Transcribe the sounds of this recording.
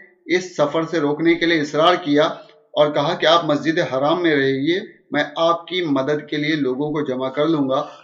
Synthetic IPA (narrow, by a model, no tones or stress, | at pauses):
ɪsːɐfəɾseɾoːknekelieɪsɾaːɾkija | ɔːɾkɐɦakiaːpmɐs̬d͡ʒɪd̪eɦaːɾaːmːẽɾɐɦeɡiemɛ̃ːaːp̚kimɐd̪əd̪kelieloːɡõkod͡ʒɐmakɐɾlũːŋɡaː